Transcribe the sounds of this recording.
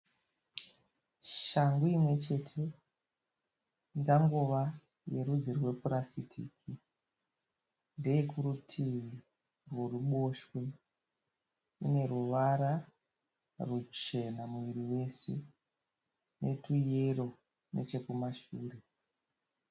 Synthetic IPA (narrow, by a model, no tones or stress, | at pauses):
ʃaŋɡuimwe̞t͡ʃe̞tʰe̞ | ndaŋɡuʋa | je̞ɾud͡zirwe̞puɾasitʰḭːkʰi | ndejekuɾutʰi | rworuɓo̞ʃwe | ḭne̞ruʋaɾa | rut͡ʃe̞namuʋiriwe̞se̞̰ | ne̞tujero̞ | ne̞̰t͡ʃe̞kumaʃuːre̞